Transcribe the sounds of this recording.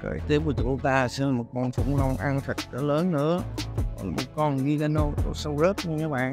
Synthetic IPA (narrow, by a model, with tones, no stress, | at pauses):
kə̰ː˧˩jt̪i˦˥p̚ku˧˩t͡ɕu˧˩˦t̪aː˧sɛ˧nla˨˩mo˨˩t̚kɔ˧nfʰṵ˧˩˦ŋ͡mlə˧wŋ͡mʔa˧nt̪ʰə˨˩k̚ka˨˦ləː˨˦nːɨ̰˧˥əɔ˨˩la˨˩mo˨˩t̚kɔ˧nɣi˧ka˨˦no˧t̪o˧sə˧wzəː˦˥p̚ɲa˧ɲaː˨˦ɓa̰ː˧˨n